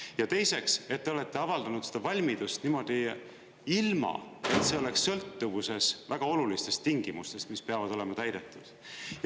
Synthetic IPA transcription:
jɑt̪e̞jse̞kse̞t̪ːe̞ole̞t̪ːe̞ɑvɑld̪ɑnud̪̥sed̥̪ɑvɑlʲmid̪̥ust̪nimo̞d̪̥i | ilmɑ̰e̞t̪se̞o̞leksːɤ̞lt̪ːuvuse̞svæɡ̥ɑo̞lulist̪e̞st̪ːiŋɡ̥imust̪e̞st̪mispe̞ɑvɑd̪o̞le̞mɑt̪æjd̪̥e̞t̪ːˑud̪̥ | j

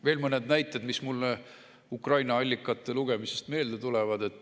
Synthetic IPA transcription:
ve̞ːlmɤned̪næjt̪ːˑe̞d̪mismulːe | ukrɑjnɑɑlʲːikːˑɑt̪ːˑe̞luɡ̥e̞mise̞̥st̪me̞ːld̪̥e̞t̪ulɛvɑd̪̥e̞t̪ːˑ

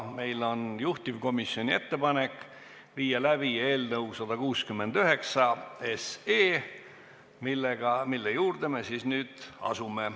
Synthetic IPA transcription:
me̞jlo̞njuht̪ivko̞misːjo̞nʲie̞̰t̪ːe̞pɑne̞kːˑ | viːjɑlæb̥ie̞ːlnəwsɑd̪̥ɑkuːskymːe̞nd̪̥yɦe̞ksɑeseː | milːeɡ̥ɑmilːejuːrd̪̥e̞mesiːsnyːd̪̥ɑ̰sume

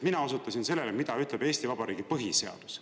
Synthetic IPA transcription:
minɑo̞sut̪ːˑɑsinse̞lːelemid̪̥ɑyt̪leb̥e̞ːsʲt̪ivɑbɑɾiːɡ̥ipɤɦise̞ɑ̰d̪̥u̥ss

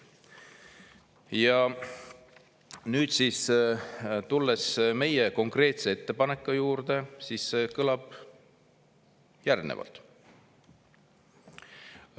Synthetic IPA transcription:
jɑ | nyːt̪siːs | t̪ulːesme̞jeko̞ŋkre̞ːt̪se̞et̪ːe̞pɑne̞kːˑujuːɾd̪e̞siːssekɤlɑb̥ | jærnḛvɑ̰lt̪ˑ

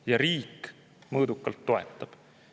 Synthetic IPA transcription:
jɑɾiːk | mɤːd̪ukːɑlt̪ːo̞e̞̰t̪ːˑɑb̥

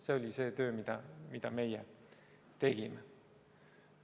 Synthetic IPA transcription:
seo̞lʲise̞ːt̪ø̞ːmid̪̥ɑmid̪̥ɑme̞je | t̪e̞ɡ̥ime

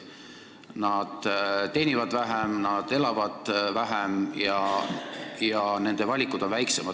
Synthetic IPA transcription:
nɑd̪̥t̪ːe̞jnʲivɑd̪væɦemnɑd̪̥e̞lɑvɑd̪̥væɦemjɑ | jɑne̞nd̪̥e̞vɑlʲikːud̪o̞nvæjksemɑ

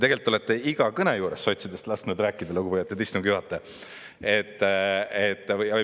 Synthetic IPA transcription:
t̪e̞ɡelt̪ːˑet̪ˑːeiɡ̥ɑkɤnejuːɾesːo̞jt̪sid̪̥est̪lɑsnud̪ɾæːkːˑid̪̥ɑluɡupojɑt̪ːˑet̪ist̪umɡ̥juhɑt̪ˑːɑ | et̪ːˑet̪ːˑjɑvɤ

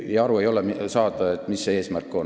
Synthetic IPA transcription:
jɑɑɾue̞jo̞lɛmsɑːd̪̥ɑet̪ːˑmisːe̞ːsmærkːˑo̞

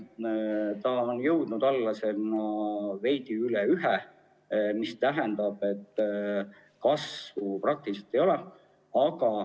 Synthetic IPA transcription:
t̪ɑonjɤ̞wd̪̥nud̪̥ɑlːɑse̞nɑve̞jd̪̥iylɛyɦɛ | mist̪æɦend̪ɑb̥e̞t̪ːˑ | kɑsvuprɑk̚t̪iliset̪ːˑe̞jo̞lɛ | ɑɡɑ

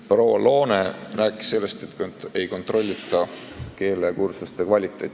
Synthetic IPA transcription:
proːwɑ̰lo̞ːne̞ræːkːˑi̥sse̞lːe̞st̪e̞t̪ːˑkoe̞jko̞nt̪ˑro̞lʲːit̪ːˑɑke̞ːlekursust̪e̞kvɑlʲit̪ːˑe̞jt̪ʲː

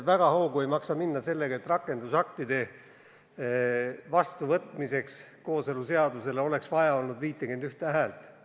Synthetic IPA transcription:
væɡ̥ɑhoːɡ̥ue̞jmɑksɑminːɑse̞lːeɡ̥ɑet̪ːrɑkːˑe̞nd̪usɑkt̪id̪̥e̞ | vɑst̪uvɤt̪ːˑmise̞ks | ko̞ːse̞luse̞ɑd̪use̞leo̞le̞ksvɑjɑo̞lnud̪viːt̪ˑːeɡe̞nd̪yht̪eæɦælt̪ˑ

